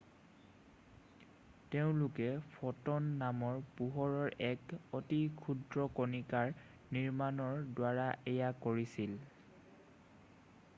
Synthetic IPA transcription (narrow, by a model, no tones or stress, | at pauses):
teʊ̃lʊkɛpʰɔtɔnːamɔɹpuɦɔɹɔɹɛkotikʰudɹɔkonikaɹ | niɹmanɔɹdwaɹaʔejakoɹisil